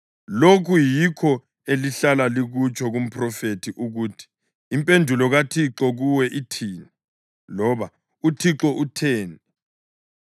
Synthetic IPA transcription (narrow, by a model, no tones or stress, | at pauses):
lokʰujikʰɔ | eliɬalaliɣut͡ʃʰʼɔɣum̩pʰrɔfetʰiʔuɣuːtʰi̥ː | mpʼendʱulɔɣatʰiǁɔɣuwɛʔitʰiːni | lɔβa | utʰiǁɔʔutʰeːni